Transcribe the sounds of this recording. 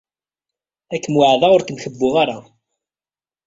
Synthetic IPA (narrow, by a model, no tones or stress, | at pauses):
ækːəmwaʕðˤaʊɾθəmçəbːʊʁaɾa